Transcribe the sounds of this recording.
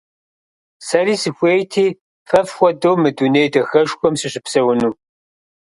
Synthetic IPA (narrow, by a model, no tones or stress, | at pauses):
sɐɾiːsɨxʷejt̪ʰiː | fɐfxʷɐd̪owmɨd̪unejd̪ɐxɐʒxʷɔmsɨɕɪpsɐwʊnuː